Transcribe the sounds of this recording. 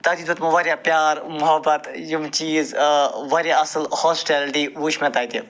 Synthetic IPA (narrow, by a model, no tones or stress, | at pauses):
t̪ad̪iːd̪ʋɐt̪mɐʋɐɾjaːpjaːɾmʊɦɐbɐt̪jumt͡ʃiːzʋɐɾʲjaɐsɨlhɔːsʈeːlɖiːʋuːʃmẽt̪aːit̪i